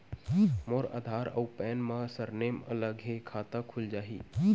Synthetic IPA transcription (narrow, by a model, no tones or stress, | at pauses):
moːɾa̰ːd̪ʱaːɾə̰wpɛːnmãsəɾneːmələɡɦekʰaːt̪akʰʊld͡ʒaːɦḭː